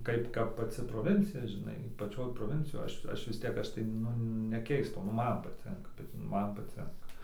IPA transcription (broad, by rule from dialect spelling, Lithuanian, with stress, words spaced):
ˈkɐɪp ˈkɐp pɐˈt͡sʲɪ proːˈʋʲɪnʲt͡sʲɪjɛ ʒʲɪˈnɐɪ pɐˈt͡ʃʲoːj proːˈʋʲɪnʲt͡sʲɪjoːj ˈɐʃ ˈɐʃ ʋʲɪs ˈtʲiɛk ˈɐʃ tɐɪ ˈnʊ nʲɛˈkʲɛɪstɐʊ nʊ ˈmɐn pɐˈtʲɪŋkɐ bʲɛt ˈmɐn pɐˈt͡sʲɪŋkɐ